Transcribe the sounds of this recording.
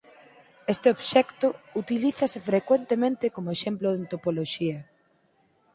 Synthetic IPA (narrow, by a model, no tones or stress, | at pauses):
est̪ɪoβʃɛkt̪ʊut̪iliθɐsɪfɾekwent̪emẽnt̪ɪkomoeʃemploðeant̪opoloʃiɐ